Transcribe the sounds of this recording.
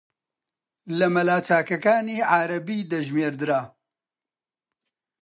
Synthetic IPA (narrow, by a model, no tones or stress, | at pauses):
lɐmɐlaːt͡ʃaːkɐkaːniːʕaːɾɐbiːd̪ɐʒmeːɾd̪ɨɾaː